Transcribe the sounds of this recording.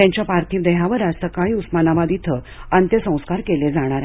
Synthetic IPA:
t̪jãɲt͡ɕjapaɾt̪ʰiːʋd̪əɦaʋəɾasəkaɦiusmanaʋad̪it̪ʰə | ant̪jəsə̃w̃skaɾkeled͡zaɽ̃aɾ

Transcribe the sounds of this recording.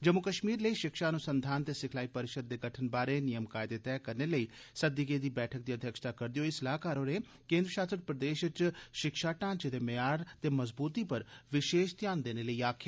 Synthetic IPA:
d͡ʒəmːʊkəʃmiːɾləiːʃɪkʃaːnũːsənd̪ʱaːnt̪eːsɪkʰlaːiːpəɾɪʃəd̪̚ːeːɡəʈʰənbaːɾeːnɪjəmkaːɪd̪eːt̪ɛːkəɾneːləiːsəd̪iɡeːd̪iːbɛːʈʰək̚d̪iːəd̪ʱjəkʃt̪aːkəɾd̪ɪjoːɪsɪlaːɦkaːɾoːne | kẽːnd̪ɾəʃaːst̪ɾəpɾəd̪eːʃət͡ʃʃɪkʃaːʈãːt͡ʃd̪eːmejaːɾt̪eːməzbuːt̪iːpəɾʋɪʃeːʃt̪jaːnd̪eːneːləiːaːkʰjaː

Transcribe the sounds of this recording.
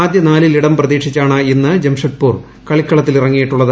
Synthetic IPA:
aːd̪jɐnaːliliɽɐmprɐðiːkʂit͡ɕːaːɳɨenːɨd͡ʑemʂɐʈ̚puːr | kɐɭikːɐɭɐt̪ːilirɐŋːijiʈːuɭːɐð

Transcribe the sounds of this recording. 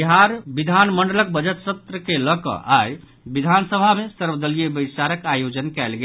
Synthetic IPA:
iɦaɾbid̪ʱanməɳɖələk̚bəd͡ʒət̪sət̪ɾəkeləkə̰ʔaj | bid̪ʱansəbʱamesəɾbəd̪əlijebəjsaɾəkajod͡ʒənkɛlɡe

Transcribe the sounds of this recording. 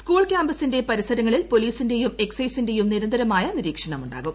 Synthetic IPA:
skuːɭkʲjaːmbɐsinde̞pɐɾisɐɾɐŋːɐɭilpo̞liːsinde̞jume̞ksɐjsinde̞jumniɾɐnd̪ʱɐɾɐmaːjɐniɾiːkʂɐɳɐmuɳɖa̰ːɣum

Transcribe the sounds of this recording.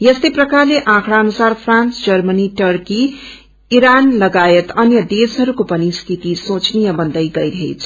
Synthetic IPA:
jʌst̪eprʌkarleʔãkʰɽaʌnusarpʰrãnsd͡zʌrmʌniʈʌrki | iɾanlʌɡajet̪ʌnjʌd̪esɦʌɾukopʌniskit̪isõt͡snijʌbʌnd̪ʌjɡʌjɾʌɦḛt͡sʰʌ̥

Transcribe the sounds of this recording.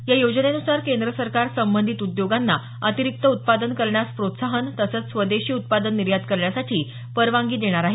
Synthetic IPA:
jajod͡ʑnenusaɾkend̪ɾəsəɾkaɾsəmbənd̪ʱit̪ud̪joɡanːa | ət̪iɾik̚t̪əut̪̚pad̪ənkəɾɳjaspɾot̪saɦənt̪əsət͡ssʋəd̪eɕiːut̪̚pad̪ənːiɾjad̪kəɾɳjasaʈʰiː | pəɾʋaŋɡiːd̪eɽ̃aɾaɦe

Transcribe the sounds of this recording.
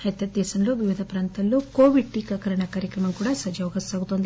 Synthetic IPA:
ɐt̪ːɐd̪ɛːsɐnloʋiʋid̪ʱɐpɾaːnt̪ɐlːukoːʋiɖ̚ʈiːkɐkɐɾɐɳɐkaːɾjɐkɾɐmɐmkuːɽaːsɐd͡ʒɐʋɐɡɐsaːɡut̪ond̪i

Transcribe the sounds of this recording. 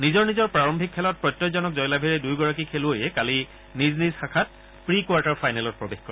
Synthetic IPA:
nizɔɹnizɔɹpɹaɹɔmbʱikʰːɛlɔt̚pɹɔjtːɔzɔnɔkzɔjlabʱiɹɛdujɡɔɹak̬ikʰelʊojɛkali | niznisxakʰat̚ | pɹikwaɹtaɹfʰajnɛlɔt̚pɹɔbexkɔɹɛ

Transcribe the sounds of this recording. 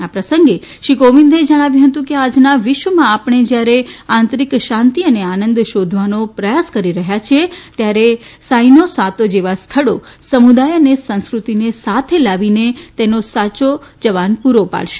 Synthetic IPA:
apɾəsə̃ŋɡe | ʃikoʋind̪ʱed͡ʒəɽ̃aʋjũɦət̪ũkead͡ʒnaʋɪʃʋəmãːpɳ̃ed͡ʒjaɾeãnt̪ɾikʃãnt̪iəneanənd̪ʃod̪ʱʋanopɾəjaskəɾiɾəɦjat͡ʃʰet̪jaɾesainosat̪od͡ʒeʋast̪ʰəɭo | səmud̪ajənesə̃nskɾut̪inesat̪ʰelaʋinet̪enosat͡ʃod͡ʒəʋanpuɾopa̰ɭʃe̥

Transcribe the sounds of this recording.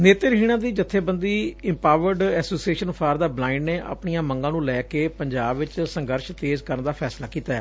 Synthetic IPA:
neːt̪eɾɦiːɽ̃ãːd̪iːd͡ʒət̪ʰːeːbənd̪iːɪ̃mpaːʋəɾɖɛːsoːsieːʃənpʰaːɾd̪aːblãːɪ̃ɳɖneːʔə̰pɳijãːməŋɡãːnũːlɛːkeːpəɲd͡ʒaːbʋɪt͡ʃsəŋɡəɾʃt̪eːzkəɾənd̪aːpʰɛːslaːkiːt̪aːɦɛ̰ː

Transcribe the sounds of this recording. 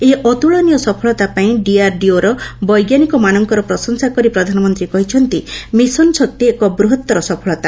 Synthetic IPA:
eʔɔt̪uɭɔnijɔsɔpʰɔɭɔt̪apaĩɖiaɾɖioɾɔbɔjɡjanikɔmanɔŋkɔɾɔpɾɔsɔŋsakɔɾipɾɔd̪ʱanɔmɔnt̪ɾikɔɦit͡ʃʰɔnt̪imisɔnsɔk̚t̪iekɔbɾuɦɔt̪ːɔɾɔsɔpʰɔɭɔt̪a

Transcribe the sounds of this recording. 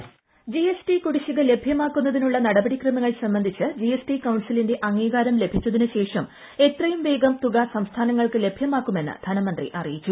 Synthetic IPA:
d͡ʑiesʈikuɽiɕiɣɐle̞bʱjɐmaːkːunːɐðinuɭːɐnɐɽɐbɐɽikrɐmɐŋːɐɭsɐmbɐnd̪ʱit͡ɕːɨd͡ʑijesʈikɐwɳsilinde̞ʔɐŋːiːɣaːɾɐmle̞bʱit͡ɕʲːɐðinɨɕe̞ːʂɐm | e̞t̪rɐjumʋe̞ːɡɐmt̪uɣɐsɐmst̪ʰaːnɐŋːɐɭkɨle̞bʱjɐmaːkːume̞nːɨ̰d̪̥ʱɐnɐmɐnd̪rḭʔɐrijit͡ɕːu

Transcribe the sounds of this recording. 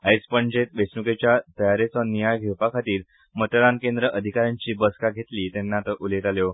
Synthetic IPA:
ajspəɳd͡ʑet̪ʋesnuket͡ɕjat̪əjaɾet͡sɔnijajɡʱewpakʰat̪iːɾ | mət̪əɾankẽnd̪ɾəʔəd̪ʱikaɾjãɲt͡ɕiːbəskaɡʱet̪liːt̪enːat̪əʔulet̪aljo

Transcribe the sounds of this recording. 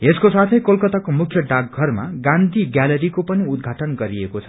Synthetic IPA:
eskosat̪ʰʌjkolkʌt̪akomukʰjʌɖakːʌrma̰ɡãnd̪ʱiɡjaleɾikopʌniud̪̚ɡʱaʈʌnɡʌɾiekot͡sʰʌ̥

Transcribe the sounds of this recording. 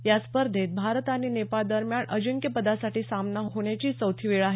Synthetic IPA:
jaspəɾd̪ʱet̪̚bʱaɾət̪aninepaɭd̪əɾmjaɳʔəd͡ʑuŋkjəpəd̪asaʈiːsamnaɦɦoɳjat͡ɕiːt͡səwt̪ʰiʋeɭaɦe

